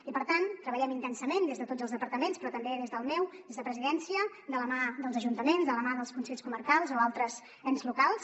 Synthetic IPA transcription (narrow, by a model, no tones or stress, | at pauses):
ipəɾt̪ant̪ːɾəβəʎɛmint̪ɛnsəmend̪ezðət̪od͡zəlˠzðəpəɾt̪əmenspɾɔt̪əmbeðezðəlˠmɛwd̪ezðəpɾəziðɛnsiə | d̪ələmaðəlˠzəʒunt̪əmenzðələmaðəlˠskunseʎʲskuməɾkalˠzoalˠt̪ɾəz | ɛnzlukalˠs